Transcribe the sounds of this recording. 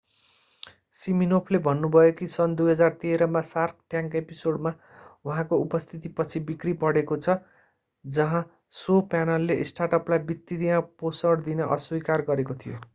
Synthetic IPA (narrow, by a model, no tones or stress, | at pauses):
siminopʰlebʱʌnːubʱʌjokisʌnd̪ujɦʌd͡zart̪eɾʌmasark̚ʈjãŋkepisoɽma | uɦãkoupʌst̪ʰit̪ipʌt͡sʰibikripʌɽekot͡sʰʌ | d͡zʌɦã | sopanʌlːeʔsʈaʈʌplajbit̪ːid̪ijãposʌɽd̪inʌʔʌ̰swikarɡʌɾekot̪ʰijo